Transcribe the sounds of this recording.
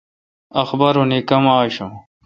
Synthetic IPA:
ɐxbɐɾunikɐmaːɕo

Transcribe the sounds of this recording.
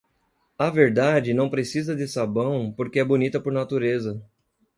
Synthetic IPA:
ɐveɾd̪ad͡ʒɪnɐ̃w̃pɾesizɐd̪ɪsabɐ̃w̃poɾkɪɛbonit̪ɐpoɾnat̪uɾezɐ

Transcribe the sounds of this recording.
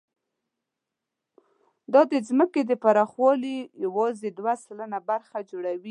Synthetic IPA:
d̪ɑd̪əzməked̪əpaɾɑxwɑlijawɑzed̪wasalanabaɾxad͡ʒoɽawi

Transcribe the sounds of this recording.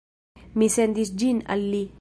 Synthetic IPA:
misend̪isd͡ʒina̰lːi

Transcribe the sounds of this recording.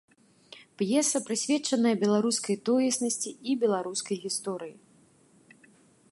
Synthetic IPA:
pjɛsɐpɾɨsʲvʲɛt͡ʂɐnɐjɐbʲɛlˠaɾuskɐjt̪ɔjɐsnɐsʲt͡sʲiibʲɛlˠaɾuskɐjɣʲist̪ɔɾɨjḭ

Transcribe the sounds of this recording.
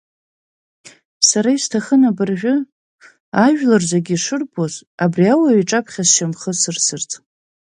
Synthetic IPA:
saɾaistʰaχənabɨrʒᶣʊ | aʒᶣlarzaɡʲiʂɨrbʰozabriawaɥiʈ͡ʂʼapʰχʲasʃamχəsɨrsɨrt͡sʼ

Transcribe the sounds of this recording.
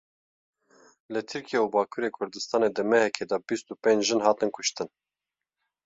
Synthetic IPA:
lɨt̪ʰɨɾkijeubɑːkʰuːɾeːkʰʊɾd̪ɨst̪ɑːned̪ɨmɛhɛkʰeːd̪ɑbist̪upẽnd͡ʒʒɨnɦɑːt̪ɨnkʰʊʃt̪ɨn

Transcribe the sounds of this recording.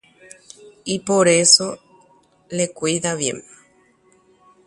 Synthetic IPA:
ipo̞ɾeso̞ | lekʷiðaβje̞̰m

